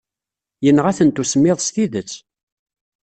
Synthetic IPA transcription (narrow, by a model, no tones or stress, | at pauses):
jənːəʁæθənt̪usəmːɪðˤst̪iðət͡sː